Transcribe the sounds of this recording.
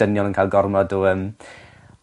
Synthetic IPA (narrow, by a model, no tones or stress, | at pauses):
ənjɔlˠənkʰajlˠɡɔrmɔdɔəm